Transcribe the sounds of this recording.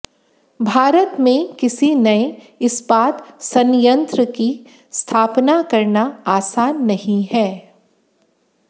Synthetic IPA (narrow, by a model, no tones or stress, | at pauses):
bʱaːɾət̪mẽkɪsinɐe | ɪsbaːt̪sɐnjə̃nt̪ɾəki | st̪ʰaːpnakɐɾnaaːsaːnːɐɦĩɦɛː